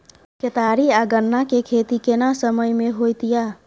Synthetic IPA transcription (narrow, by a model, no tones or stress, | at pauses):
ket̪aːɾiaɡənːakekʰeːt̪ikenasəməjmeɦojt̪ija